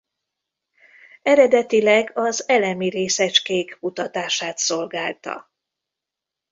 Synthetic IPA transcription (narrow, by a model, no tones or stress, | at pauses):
ɛɾɛd̪ɛt̪ilɛɡɒzɛlɛmiɾeːsɛt͡ʃkeːkkut̪ɒt̪aːʃaːt̪so̞lɡaːlt̪ɒ̰